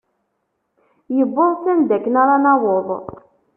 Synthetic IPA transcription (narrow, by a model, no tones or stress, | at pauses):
jəbːoðˤθænd̪ækːənaɾˤɑnɑwoðˤ